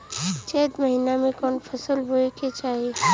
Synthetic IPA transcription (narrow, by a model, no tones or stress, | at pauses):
t͡ʃɛd̪məɦinamẽkɔːnpʰəsəlɦoeket͡ʃaːɦe